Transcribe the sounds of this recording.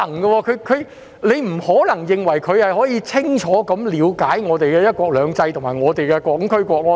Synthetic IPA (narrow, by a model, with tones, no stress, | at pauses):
ɐ˨˩ŋɡɐ˧wɔː˧kʰɵ˨˧˥kʰɵ˨˧ɥ | le˨˧jm̩˨˩hɔː˨˥lɐ˨˩ŋjɪ˨ŋwɐ˨˩jkʰɵ˨˧ɥhɐ˨jɦɔː˨˥jiː˨˧t͡sʰɪ˥ŋt͡ʃʰɔː˨˥kɐ˨˦mliː˨˧wkaː˨˥jŋɔː˨˧t̪e˨jkɛː˧jɐ˥t̚kʷɔː˧k̚lœː˨˧ŋt͡sɐ˧jt̪ʰʊ˨˩ŋmaː˨˩jŋɔː˨˧t̪e˨jkɛː˧kʷɔː˨˥ŋkʰɵ˥ɥkʷɔː˧k̚ɔː˧